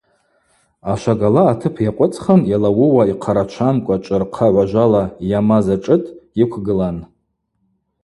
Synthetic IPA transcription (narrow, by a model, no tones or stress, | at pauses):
aʃʷaɡalaːtʰɨpʰjaqʷʼʊt͡sʼχanjalawʊwaiqʰaɾat͡ʃʷʰankʷʼat͡ʃʷʼɨrqʰaʕʷaʒʷalajamazaʈ͡ʂʼɨtʼikʷʰɡɨlan